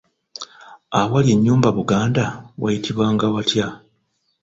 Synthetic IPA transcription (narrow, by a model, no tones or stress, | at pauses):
awaljeɲːuːmbaβuɡaːndawʔa̰jitʰiβwaŋɡawatja